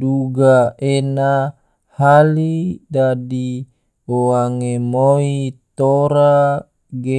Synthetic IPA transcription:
duɡaena | halidadi | oaŋemoit̪oɾa | ɡe

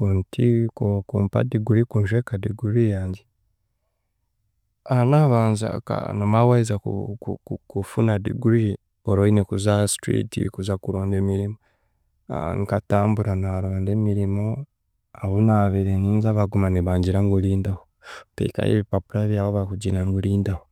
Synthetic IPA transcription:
kuntʰikokuːmpa̰diɡuɾikunʒekadiɡuɾijaːɲɟe | anaβaːnza̰ka̰nomawaizakṵukkufunadḭɡuɾi | oɾoinekuzastɾḭtḭkuzakuɾoːndemiɾimo̰ | ŋkataːmbuɾanaɾoːndeːmiɾimo | aβunaβeɾeniːnzaβaɡumaniβaːɲɟiɾaŋɡuliːndaho | tḛka̰jḛβipapuɾaβjaːβoβakuɟinaŋɡuliːndaho

